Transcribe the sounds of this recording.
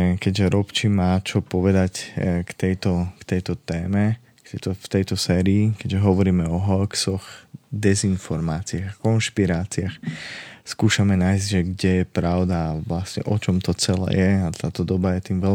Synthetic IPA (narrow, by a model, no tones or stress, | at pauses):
kɛɟʒɛɾɔpt͡ʃimaːt͡ʃɔpɔʋɛd̪ackt̪ɛjt̪ɔkt̪ɛjt̪ɔt̪ɛːmɛ | kt̪ɛjt̪ɔft̪ɛjt̪ɔsɛːɾiːkɛɟʒɛɦɔʋɔɾiːmɛɔɦɔksɔxd̪ɛzinfɔɾmaːt͡siaɣakɔnʃpiɾaːt͡siaxskuːʃamɛnaːɪzɟʒɛɡɟɛjɛpɾaʊd̪aʋlasɲɛ̰ʔɔt͡ʃɔmt̪ɔt͡sɛlɛ̰ːjɛat̪aːt̪ɔd̪ɔbajɛt̪iːmʋɛl